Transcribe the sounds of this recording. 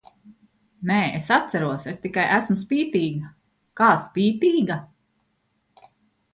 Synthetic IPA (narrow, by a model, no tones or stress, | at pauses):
neːesat̪sæɾuɔsest̪ikajʔæsmus̬piːt̪iːɡa | kaːspiːt̪iːɡa